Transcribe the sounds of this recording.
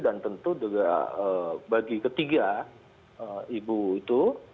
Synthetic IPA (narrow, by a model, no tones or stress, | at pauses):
dant̪ənt̪ud͡ʒuɡa̰əbaɡikət̪iɡa | əibuit̪u